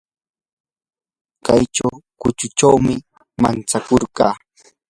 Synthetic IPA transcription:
kajt͡ʃawkʊt͡ʃʊt͡ʃawmɪ | ma̰nt͡sakoɾɢɑː

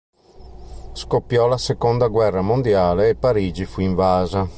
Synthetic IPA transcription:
skopːjɔlasekond̪aɡwɛrːamond̪jaːleːpːaɾiːd͡ʒifuiɱvaːza

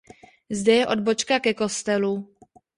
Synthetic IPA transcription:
zdɛjɛʔo̞d̪̚bo̞t͡ʃkakɛko̞st̪ɛlu

